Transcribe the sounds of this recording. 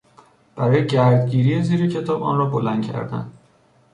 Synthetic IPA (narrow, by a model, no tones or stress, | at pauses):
b̥æɾɒːjeɟæɾd̪ɟiːɾiːjeziːɾecʰe̞t̪ʰɒːbɒ̰ːnɾɒːbolænd̪cʰæ̰ɾd̪æ̰n